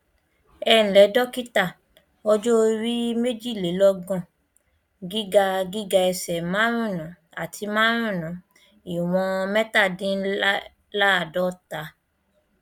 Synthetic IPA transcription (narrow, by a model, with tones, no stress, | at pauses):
ɛ˧˨n̩˨lɛ˨˦dɔ˦ki˦ta˦˨ | ɔ˦d͡ʒo˦ɾi˦me˦d͡ʒi˦˨le˨˦lɔ˧ɡɔ̃˦˨ | ɡi˦ɡa˧ɡi˦ɡa˧ɛ˧sɛ˨mã˦ɾ̃ũ˦˨nũ˨˦ | a˨tʰi˧mãː˦ɾ̃ũ˦˨nũ˨˦ | i˨w̃ɔ̃˧mɛ˦ta˦˨dĩ˦ | la˦˨dɔ˦ta˨˦